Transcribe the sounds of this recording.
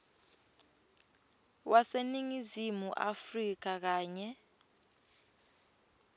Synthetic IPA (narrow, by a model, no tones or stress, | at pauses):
wʔaseniŋizimuʔa̰frik̬ak̬aːɲɛ